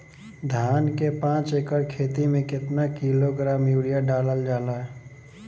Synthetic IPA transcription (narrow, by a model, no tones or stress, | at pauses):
d̪ʱjaːnkepãːt͡ʃekəɾkʰeːt̪imẽkɪt̪nakiloɡɾaːmjuːɽijaɖaːləld͡ʒaːlaɦɛ